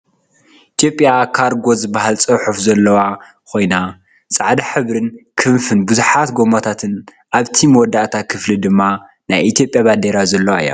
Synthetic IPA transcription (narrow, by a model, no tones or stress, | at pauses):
ʔʔit̪ʰjo̞pʼːjakʰaɾɡo̞zɨbːaɦalt͡sʼɨwħufzɐlːɐwa | kʰo̞jna | sʼaʕd̪aħɨβɾɨnkʰɨmfɨnbɨzuħat̪ɡo̞mot̪ʰat̪ʰɨn | ʔaβt̪ʰimɨwɔd̪ːaʔt̪ʰakʰɨflid̪ɨmːa | najʔit̪ʰijo̞pʼjaβad̪eɾazɐlːɐwaɨ̰ja̰